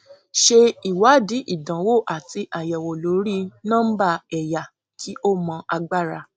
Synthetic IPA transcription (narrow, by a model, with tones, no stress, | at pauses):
ʃe˧i˨wa˨˦di˨˦ʔi˦˨dã˨wo˦˨ʔa˨ti˧ʔa˨jɛ˨wo˨lo˨˦ɾi˦nã˦ba˧˨ɛ˨ja˨ | kʰi˨˦ʔo˦mɔ̃˧ʔa˧ɡ͡ba˦˨ɾa˧